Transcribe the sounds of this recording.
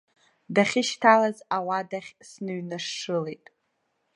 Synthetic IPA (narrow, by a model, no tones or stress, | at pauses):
daχʲɪʃtʰalazawadaχʲsnɨɥnaʂːɨlejtʼ